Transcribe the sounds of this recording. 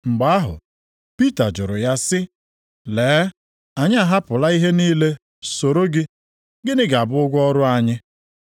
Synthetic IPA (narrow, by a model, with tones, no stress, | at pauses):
ŋ͡m̩˨ɡ͡ba˨˦a˦ɦʊ̰˨ | pi˦ta˨d͡ʒʊ˨ɾʊ˨ja˦sɪ˦ | leː˨˦ | a˨ɲɪ˦a˨ɦa˦pʊ˨la˦i˦ɦe˦niː˦le˦ | so˨ɾo˦ɡɪ˦ | ɡɪ˦nɪ˦ɡa˨bʊ˦ʊ˦ɡʷɔ˦ɾʊ˦a˦ɲɪ˦